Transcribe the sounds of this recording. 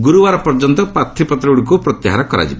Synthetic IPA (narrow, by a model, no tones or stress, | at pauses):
ɡuɾuʋaɾɔpɔɾd͡ʒɔnt̪ɔpat̪ʰːipɔt̪ɾiɽukupɾɔt̪jaɦaɾakɔɾa̰d͡ʒiba